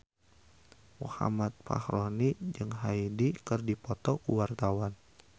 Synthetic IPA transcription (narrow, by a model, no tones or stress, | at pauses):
mṵha̰mat̪̚pa̰hɾonid͡ʒɨŋɦaidikɨrdipɔt̪ɔkuwart̪awan